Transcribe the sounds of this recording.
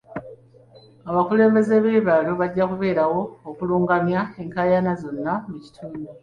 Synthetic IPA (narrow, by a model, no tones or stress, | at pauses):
aβakule̞ːmbe̞ze̞βeːβaːloβaɟːakuβe̞ːɾawo̞ːkuluːŋɡamjae̞ŋkaːjanazo̞nːamuci̥tʰuːndo